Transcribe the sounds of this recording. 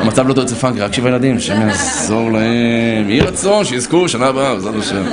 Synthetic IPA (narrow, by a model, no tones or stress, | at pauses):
amat͡savlot̪ot͡sefaŋkʁakʃivajelad̪imʃeemjaːzoʁlaemjiʁat͡so̞nʃejizkuʃanaːbaavezad̪aʃem